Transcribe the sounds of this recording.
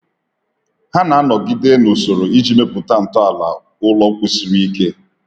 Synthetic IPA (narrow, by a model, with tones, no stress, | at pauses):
ha˦na˨a˦nɔ˨ɡɪ˦de˦no˨so˨ɾo˨i˦d͡ʒi˦me˦pʊ˨ta˦n̩˨tɔ˦a˨la̰˨ | ʊ˦lɔ˦kʷi˦si˦ɾii˦ke˦